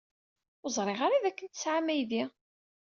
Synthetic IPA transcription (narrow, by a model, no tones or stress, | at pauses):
zˤɾˤeʁaɾaðækːənt̪ə̥sʕamæjði